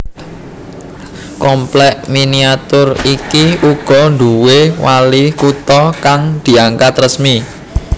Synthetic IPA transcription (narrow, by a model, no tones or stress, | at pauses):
kɔmplɛʔminiat̪ʊrikiuɡ̥ɔ̤nd̪uwewalikut̪ɔkaŋd̪̥i̤aŋkat̪rəsmi